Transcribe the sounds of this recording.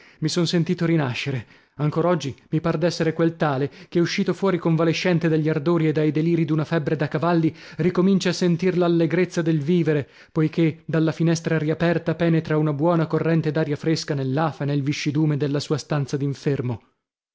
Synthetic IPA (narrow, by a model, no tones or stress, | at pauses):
misonsent̪iːt̪oɾinaʃːeɾe | aŋkoːɾaɔd͡ʒːimipard̪ɛsːeɾekwelt̪aːlekeuʃːiːt̪ofwɔːɾikoɱvaleʃːɛnt̪ed̪aʎːard̪oːɾied̪ajd̪eliːɾid̪unafɛbːɾed̪akavalːi | rikomint͡ʃaːsːent̪irlalːeɡɾet̪sːad̪elviːveɾe | pojk̟ed̪alːafinɛst̪ɾaɾiapɛrt̪apɛːnet̪ɾaunabwɔːnakorːɛnt̪ed̪aːɾjafɾeskanelːaːfanelviʃːid̪uːmed̪elːasuːast̪ant̪sad̪iɱfermo